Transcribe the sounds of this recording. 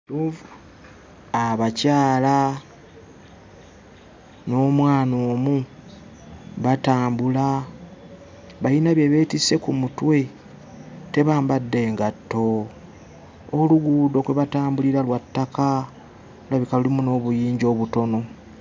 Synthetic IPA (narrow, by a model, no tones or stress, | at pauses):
jov | aβacaːla | no̞ːmwaːnoːmu | βataːmbula | βajinaβje̞βe̞tise̞kumutwe̞ | te̞βaːmbadːe̞ːŋɡatːo̞ | luɡuːdo̞kwe̞βataːmbuliɾalwatːaka | laβikalulimuno̞ːβujiːɲɟo̞ːβuto̞no̞